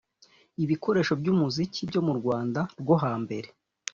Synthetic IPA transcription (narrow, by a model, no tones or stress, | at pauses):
iβiko̞ɾe̞ːʃo̞bɟuːmuzicibjo̞muɾɡwaːndaɾɡwoɦaːmbe̞ɾe̞